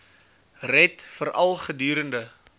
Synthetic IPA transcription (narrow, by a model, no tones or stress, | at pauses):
rɛtfəɾʔɐlˠχədyːɾəndə